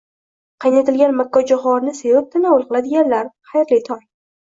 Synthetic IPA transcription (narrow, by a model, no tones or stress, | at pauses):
qʰɑjnat̪ʰɪlɡʲanmakːɒd͡ʒaχɒɾnɪsevɪp̚t̪ʰɪnaʊlˠqɨlˠad̪ɪɡʲanlaɾχajɾlit̪ʰɒj